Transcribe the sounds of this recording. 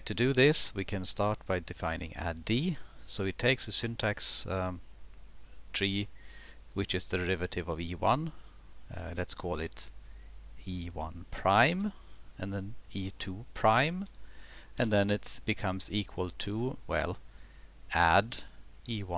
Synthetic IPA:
tʰɨdɨðɪswikʰɨ̃nstɑɹt̚b̥aɪdɨfãɪ̃nɪ̰̃ŋæ̰disoʊɨtʰeɪksɨsɪ̃ntʰæks | tʰɹ̥i | wɨt͡ʃɨzdɨ˞ɪvɨɾɨvʌviwʌ̃n | lɨtskʰɔlˠɪt | iwʌ̰̃npʰɹ̥ãɪ̃m | ɨ̃nðɨ̃nitʰupʰɹ̥ãɪ̃m | ɨ̃nðɨ̃nɨtb̥ɨkʰʌ̃mzikʰwəl̩ˠtʰuwɛ̰lˠ | ʔædiwʌ̃

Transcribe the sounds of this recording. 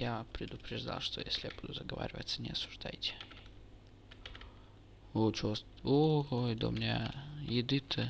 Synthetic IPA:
japɾʲɪd̪ʊpɾʲɪʐd̪a̰lˠʂt̪ojesʲlʲɪjabud̪ʊzɐɡəva̰ɾʲɪvə̰t̪sənʲɪɐsʊʐd̪ajtʲɪ̥ | ot͡ɕos | oojd̪omʲnʲajɪd̪ɨt̪ʰə

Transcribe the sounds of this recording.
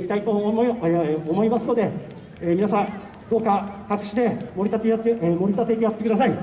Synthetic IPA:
it̪ait̪o | omo̞imasɨno̞d̪e̞ | eːmʲinasã | d̪o̞ːkakakɯ̟̥ɕid̪e̞moɾit̪at̪eemo̞ɾʲit̪at̪e̞it̪̬ejat̪ːe̞kɯd̪asai

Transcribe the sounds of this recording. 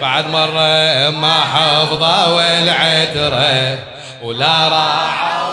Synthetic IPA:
baʕad̪mɑrˤːɑmaħɑfðˤɑwalʕed̪ɾˤa | wlaɾˤɑːħ

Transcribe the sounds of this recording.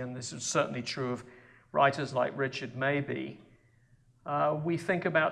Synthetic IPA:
ə̃nðɪsɨz̥sɜˑ˞ʔn̩litʰɹ̥ʉəv̥ | ɹa̰ɪɾəzlaɪkɹɪt͡ʃəd̚meɪbḭ | wiθɪ̃ŋkɨbaʊ

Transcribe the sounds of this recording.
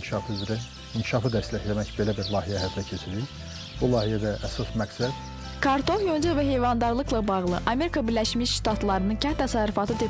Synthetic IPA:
ʃɑfyzɾæ | iŋcʰiʃɑfɯd̪æslæçlæmæçbe̞læbiɾlˠɑːhijæɦæb̪d̪æcʰe̞t͡ʃʰiɾiɾ | b̥ulˠɑːhijæd̪æʔːsɑsmæksæd̪̥ | kʰɑɾt̪ʰo̞χjond͡ʒuvæɦe̞jvɑnd̪ɑɾlˠɯklˠɑbɑɣlˠɯʔɑme̞ɾikʰɑbiɾlʲæʃmiʃʃt̪ɑt̪lˠɑɾɯnɯncʰænt̪ʰːæsɑɾufɑt̪ʰɯt̪ʰe

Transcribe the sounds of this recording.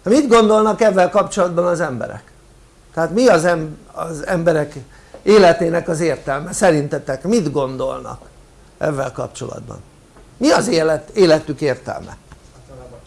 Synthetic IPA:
mid̪ɡo̞nd̪o̞lnɒkɛvːɛlkɒpt͡ʃo̞lɒd̪bɒnɒzɛmbɛ̰ɾɛ̰k | t̪ɛaːt̪miɒzɛmɒzɛmbɛɾɛk | eːlɛt̪eːnɛkɒzeːrt̪ɛlmɛsɛɾint̪ɛt̪ɛkmid̪ɡo̞nd̪o̞̰lnɒ̰k | ʔɛ̰vːɛlkɒ̰pt͡ʃo̞̰lɒ̰d̪bɒ̰n | miɒzelt̪eːlɛt̪ykeːrt̪ɛ̰lmɛ̰

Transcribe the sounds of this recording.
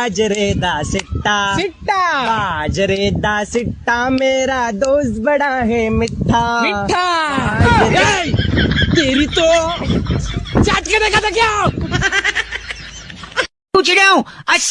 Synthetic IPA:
d͡ʒɾeːd̪asɪʈːaɪʈːaad͡ʒɾeːd̪asɪʈːameːɾad̪oːsbɐɽaɦemɪʈʰːamɪaae | t̪eːɾit̪o | t͡ʃaːʈ̪kenẽkat̪akja | ũt͡ʃɽjãũɐ

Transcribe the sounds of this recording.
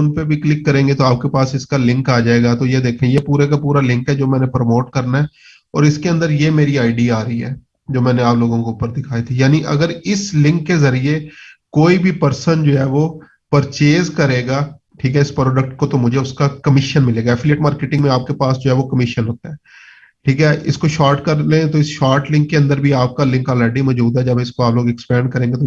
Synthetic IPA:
ʊnpebʱiklɪkːɐɾẽːŋɡet̪oaːp̚kepaːsɪskalɪ̃ŋkaːd͡ʒaːeːɡat̪ojed̪eːkʰẽjepuːɾekapuːɾalɪ̃ŋkɦɛd͡ʒoːmɛ̃ːnepɾomoːʈkɐɾnaɦɛ | ɔ̰ːɾɪskeɐ̃nd̪əɾjemeːɾiaːɪɖiaaːɾəiɦɛ̰ː | d͡ʒoːmɛ̃ːneaːploːɡõkoʊpːəɾd̪ɪkʰaːit̪ʰijaːniʔɐ̰ɡəɾɪslɪ̃ŋkːezɐɾiekoːibʱipɐɾsənd͡ʒoːɦɛʋo | pəɾt͡ʃeːzkɐɾeːɡaː | ʈʰiːkɦɛɪspɾoːɖək̚ʈkot̪omʊd͡ʒʱeʊskakɐmɪʃənmɪleːɡaɛfʰɪleːʈmaːɾkeːʈɪ̃ŋɡmẽaːp̚kepaːsd͡ʒoːɦɛːʋokɐmɪʃənɦoːt̪aɦɛː | ʈʰiːkɦɛʔɪ̰skoʃaːɾʈkɐɾlẽt̪oɪsʃaːɾʈlɪ̃ŋkːeɐ̃nd̪əɾbʱiaːp̚kalɪ̃ŋkaːlɛːɖimɔːd͡ʒuːd̪ɦɛd͡ʒɐbɪskoaːploːɡɛkspɛ̃ːɳ̚kɐɾẽːŋɡet̪o

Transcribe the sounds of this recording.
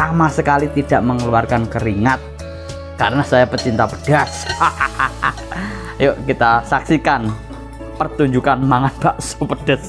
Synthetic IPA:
samasəkalit̪idaʔməŋəluarkankəɾiŋat̪̚ | kaɾənasajapət͡ʃint̪apəɖ̥as | joʔkit̪asaksikan | pərt̪uɲd͡ʒukanmaŋanb̥aʔso̥pəd̥as

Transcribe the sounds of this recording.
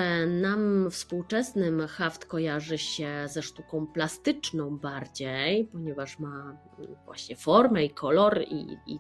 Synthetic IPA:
namfspuwt͡ʂɛsnɘmxaft̪kɔjaʐɘɕɛzɛʂt̪ukɔ̃w̃plast̪ɘt͡ʂnɔ̃w̃baɾd͡ʑejpɔɲɛvaʂma | vwa̰ɕɲɛfɔɾmɛikʰɔlɔɾḭḭ

